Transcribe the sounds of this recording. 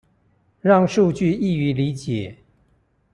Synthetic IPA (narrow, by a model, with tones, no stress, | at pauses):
ɻɑ˥˧ŋʂu˥˧t͡ɕy˥˧i˥˩y˧˥li˧˦˥t͡ɕjɛ˨˩˦